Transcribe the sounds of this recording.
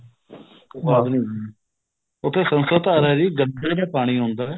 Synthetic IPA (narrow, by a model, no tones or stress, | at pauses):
oaːd̪nĩː | ʊt̪ʰːeːsənsət̪aːɾɛːɾiːɡəɳɖəːɾaːpaːɽ̃iːɦõːnd̪aːɛː